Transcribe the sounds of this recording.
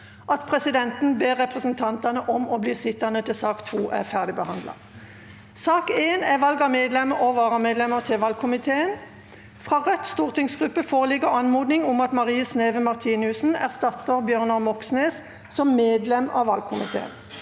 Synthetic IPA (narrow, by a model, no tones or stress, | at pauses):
ʔɑt̪pʰʁɛsɪd̪ɛnt̪n̩beːʁːɛpʁɛsnt̪ʰɑnt̪ɑnəʔɔmɔbliːsɪt̪ːɑnət̪ʰɪlsɑːkt̪ʰʋuːʔæ̰ʁfæʁd̪ɪbəhɑnd̪lɑ̰ | sɑːkeːnæʋɑlɡɑmeːd̪lɛməʁɔʋɑːʁəmeːd̪lɛməʁt̪ʰɪlʋɑlkʰʊmɪt̪ʰeːən | fʁɑːʁœt̪st̪uːʁt̪ɪŋsɡʁʉpːəfoːʁəlɪɡəʁɑnmuːd̪nɪŋɔmɑt̪mɑʁiːɑsneːʋəmɑʁt̪ʰiːnʉsn̩æ̰ʁst̪ɑt̪ːəʁbjøːʁnɑʁmɔksneːs | sɔmːeːd̪lɛmɑ̰ʋɑlkʰʊmɪ̰t̪ʰḛːə̰n